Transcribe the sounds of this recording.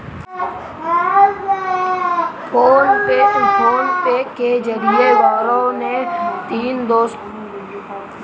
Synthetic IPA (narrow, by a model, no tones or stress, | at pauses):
foːnpeːfʰoːnpeːkːed͡ʒəɾieʋaːɾõnet̪iːnd̪oːst̪